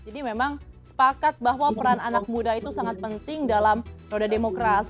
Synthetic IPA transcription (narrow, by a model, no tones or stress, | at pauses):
d͡ʒadimemaŋsə̥pakat̪̚bahwapəɾananak̚mudait̪usaŋat̪̚pənt̪ɪŋdalampɾodademokɾas